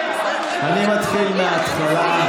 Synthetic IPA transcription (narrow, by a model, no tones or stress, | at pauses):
animat̪χilmeat̪χala